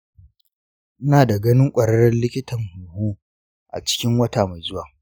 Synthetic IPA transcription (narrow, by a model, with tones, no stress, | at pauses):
ʔɪ˦naː˨da˨ɡɐ˦nɪ˦ŋkʷʼɐ˨ɾɐ˦ɽɐ˦nlɪ˦kʲɪ˦tɐ˨ŋhʊ˨nhuː˦ | ʔa̰˨t͡ʃɪ̥˦kʲɪ˦ŋwɐ˦ta˨ma˨jzʊ˦waː˨